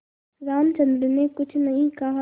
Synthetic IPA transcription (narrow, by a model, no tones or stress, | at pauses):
ɾaːmt͡ʃɐ̃nd̪ɾənekʊt͡ʃʰnɐɦĩkɐɦa